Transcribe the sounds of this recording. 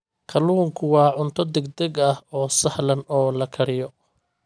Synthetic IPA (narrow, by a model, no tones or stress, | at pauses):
kʰɐluːŋkʰʊwɑːʕʊnt̪ʰɔd̪ɛɡd̪ɛɡɐhɔːsɐhlɐnɔːlɐkʰɐɾɪjɔ